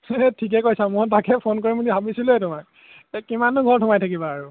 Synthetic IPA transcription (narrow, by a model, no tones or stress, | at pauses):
ɛtʰik̬ɛkojsãmʊɹt̬akɛpʰonkoɹimudibʱabisilʊɛtʊmak | ɛkimanʊɡʱɔɹtʰʊmajtʰakibaːɹu